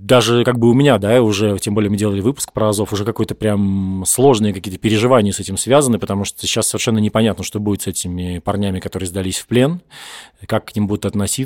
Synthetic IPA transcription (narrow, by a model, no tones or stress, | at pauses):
d̪aʐɨkaɡ̚bɨʊmʲɪnʲad̪aʊʐɛtʲembolʲjəmɨdʲelˠəlʲɪvɨpʊ̥sk̚pɾəɐzofʊʐɛkɐko̞jət̪əpɾʲamslˠo̞ʐnɨjəkɐkʲijət̪əpʲɪɾʲɪʐɨvanʲɪjəsɛtʲɪmsvʲazənːɨpət̪ɐmuʂt̪oəɕːasːəvʲɪrʂɛnːənʲɪpɐnʲat̪nəʂt̪obudɪt̪sɛtʲɪmʲɪpɐrnʲæmʲɪkɐt̪o̞ɾɨɪːzd̪ɐlʲisʲfplʲe̞nkakːnʲimbud̪ʊt̪ɐt̪nɐsʲi